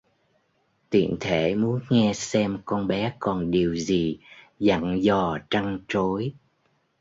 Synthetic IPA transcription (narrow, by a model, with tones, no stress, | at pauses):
t̪ḭ˧˨ənt̪ʰe˧˩˨mu˨˦ənŋɛ˧sɛ˧mkɔ˧nɓɛ˨˦kɔ˨˩nɗi˨˩əwzi˨˩ | za̰˧˨ŋzɔ˨˩t͡ɕa˧ŋt͡ɕo˨˦j